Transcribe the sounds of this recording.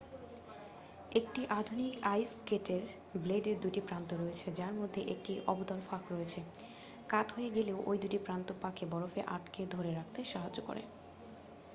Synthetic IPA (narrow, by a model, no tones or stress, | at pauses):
ekʈiʔad̪ʱunikajskeʈeɾ | bleɖeɾd̪uʈipɾant̪oɾoet͡ɕʰed͡ʑaɾmod̪ʱːeʔek̚ʈiʔɔ̰bod̪ɔlfakɾoet͡ɕʰe | kat̪ɦojeɡeleoʔojd̪uʈipɾant̪opakebɔɾofeʔaʈked̪ʱoɾeɾak̚ʰt̪eʃaɦad͡ʑd͡ʑoko̰ɾḛ